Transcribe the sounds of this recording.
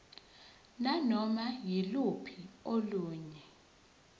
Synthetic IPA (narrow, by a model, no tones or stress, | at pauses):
nanɔmajilupʰioluːɲɛ